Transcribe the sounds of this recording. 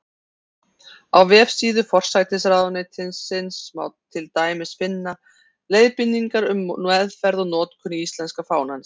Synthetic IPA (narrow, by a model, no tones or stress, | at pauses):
awvɛːfsiːðʏfɔr̥sajt̪ɪsɾaːðɔnet̪ʰɪnsːɪnsma̰wt̪ʰɪlt̪aːjmɪsfɪnːa | lejðpɪnːiŋkaɾʏmnɛðfɛɾðɔnɔːt̪kʰʏniist̪lɛnskafaːwnans